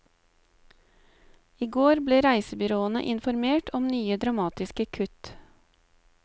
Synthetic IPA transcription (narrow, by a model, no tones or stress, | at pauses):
iːɡoːɾbleːɾæɪsəbʏɾoːənə̰ʔɪnfɔɾmeːʈʰɔmnyːəd̪ɾɑmɑːt̪ɪskəkʰʉt̪